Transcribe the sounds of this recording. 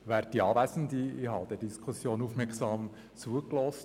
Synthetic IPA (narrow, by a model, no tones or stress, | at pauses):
ʋæːɾd̥iɑːvæsən̩diihɑːd̥ɛdiskʰusjoːnufmɛksɑːm | t͡suəklɔst